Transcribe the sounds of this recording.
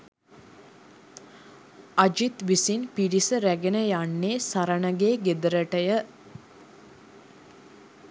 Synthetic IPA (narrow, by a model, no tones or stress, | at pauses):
ad͡ʒit̪ʋisinpiɾisəɾæɡenəjanːeːsaɾanəɡeːɡed̪əɾəʈəjə